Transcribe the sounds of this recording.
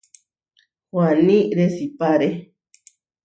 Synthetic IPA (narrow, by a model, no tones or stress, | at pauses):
wanĩɾesipaɾe